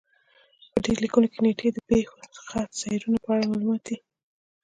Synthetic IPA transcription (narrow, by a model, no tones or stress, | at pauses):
pəɖeɾlikunokeneʈʰed̪əpexosə̥xazɑjɾunapəaɽamɑlumɑt̪̚d̪i